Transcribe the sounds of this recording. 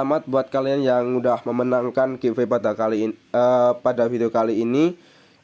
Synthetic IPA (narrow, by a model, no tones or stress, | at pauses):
amat̪̚buat̪̚kalianjaŋmudahməmənaŋkankevepadaaliəpadafideokaliːni